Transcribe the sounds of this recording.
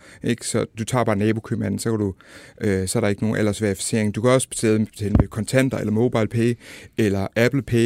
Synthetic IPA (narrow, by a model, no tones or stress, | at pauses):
ʔe̝ɡ̥sɒ̽d̥ut͡sʰɑ̰̈ːb̥ɑ̈ːnɛːb̥o̝kʰømæn̰̩sɒ̽kʰæd̥uøsɒ̽æɐɾɑ̈e̝ɡəno̝ːn̩ʔæl̰ɐsʋeɐifi̥se̝ɐ̰e̝ŋd̥ukʰæɒ̽sə̥b̥e̥t͡sʰḛːl̥e̥t͡sʰɛ̰ːlmekʰɒ̽nt͡sʰen̰d̥ɐelɐmo̝ːb̥ɑ̈ɪ̰lpʰeːelɐʔæb̥l̩pʰe